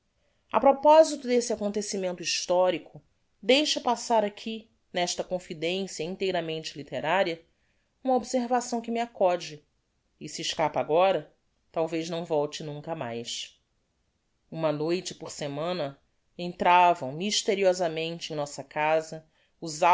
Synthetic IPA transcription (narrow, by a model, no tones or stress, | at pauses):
ɐpɾopɔzit̪ʊd̪esɪakõnt̪esimẽnt̪ʊiʃt̪ɔɾikʰʊ | d̪ejʃɐpasaɾakʲʰi | nɛʃt̪ɐkõfid̪ẽsjɐĩnt̪ejɾɐmẽnt͡ʃɪlit̪eɾaɾiɐ | ũmɐobseɾvasɐ̃w̃kɪmɪakɔd͡ʒɪ | ɪsiːʃkapaɡɔɾɐ | t̪awvejznɐ̃w̃vɔwt͡ʃɪnũkɐma̰js | ũmɐnojt͡ʃɪpoɾsemɐ̃nɐ | ẽnt̪ɾavɐ̃w̃miʃt̪eɾiɔzɐmẽnt͡ʃɪẽj̃nɔsɐkazɐ | uza